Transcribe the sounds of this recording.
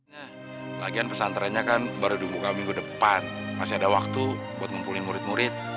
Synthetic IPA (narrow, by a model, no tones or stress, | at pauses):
ɲa | laɡianpəsant̪əɾanɲakanbaɾudumbukamiŋɡudəpanmasiadawak̚t̪ubuat̪̚məmpulimuɾɪt̪̚muɾɪt̪̚